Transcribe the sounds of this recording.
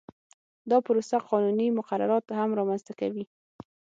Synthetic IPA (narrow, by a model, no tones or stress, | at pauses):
d̪ɑpəɾosaqɑnunimʊqaɾa̰ɾɑt̪hamɾɑmanzt̪akawi